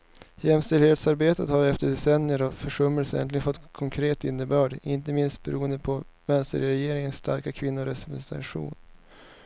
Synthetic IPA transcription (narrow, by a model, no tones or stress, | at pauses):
jɛmst̪ɛlheːt̪saɾbeːt̪ət̪haɾɛft̪əɖɛsɛnːɪəɾɔfœʂɵmːəlsəɛ̰nt̪lɪɡənfɔt̪ːkʰɔŋkʰɾeːt̪ɪnːəbœːɖɪnt̪əmɪnst̪̚bɛ̰ɾuːənd̪əpʰɔ | vɛnst̪ə̰ɾɾɛjeːɾɪŋənsst̪ʰa̰ɾkakʰvɪnːʊɾɾɛsɛt̪ɛ̰ɧṵːn